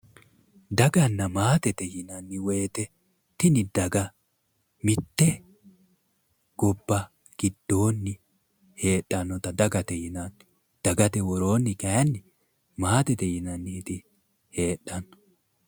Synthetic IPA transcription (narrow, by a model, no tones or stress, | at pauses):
d̪ɐɡɐnːɐmaːt̪ɛt̪ɛjɪnɐnːɪwe̞ːt̪ɛ | t̪ɪnɪd̪ɐɡɐ | mɪt̪ːɛ | ɡ̥ɔbːɐ | ɡ̥ɪd̪ːo̞ːnːɪ | he̞ːɗːɐnːɔt̪ɐd̪ɐɡɐt̪ɛjɪnɐn | d̪̥ɐɡɐt̪ɛwɔɾo̞ːnːɪkɛnːɪ | maːt̪ɛt̪ɛjɪnɐnːiːt̪ɪ | he̞ːᶑːɐnːɔ̥